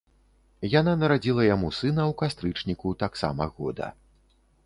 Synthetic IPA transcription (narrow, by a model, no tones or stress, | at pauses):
jananɐɾad͡zʲilˠɐjamusɨnɐwkast̪ɾɨt͡ʂnʲikut̪aksa̰mɐ̰ɣɔd̪ɐ̰